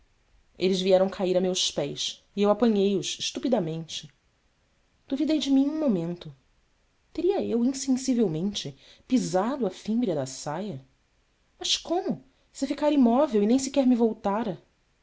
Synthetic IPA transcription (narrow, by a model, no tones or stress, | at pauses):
elɪzviɛɾɐ̃w̃kʰaiɾamewspɛjs | iewapɐ̃ɲejʊsʃt̪upid̪ɐmẽnt͡ʃɪ | d̪̥uvid̪ejd͡ʒɪmĩɲũmomẽnt̪ʊ | t̪eɾiɐewĩsẽsivewmẽnt͡ʃɪpizad̪ʊɐfĩmbɾiɐd̪ɐsajɐ | mɐʃkõmʊ | sɪfikaɾimɔvewinẽj̃s̬ikɛɾmɪvowt̪aɾɐ